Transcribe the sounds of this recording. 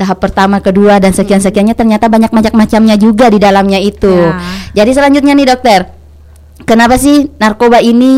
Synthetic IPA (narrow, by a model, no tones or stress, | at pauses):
t̪aɦapːərt̪amakəduadansəkians̬əkianɲat̪ərɲat̪abaɲak̚maɲak̚mat͡ʃamɲad͡ʒuɡadidalamɲait̪ud͡ʒadis̬əlaɲd͡ʒʊt̪̚ɲanɪhdɔk̚t̪ər | kənapas̬ɪhnarkobaini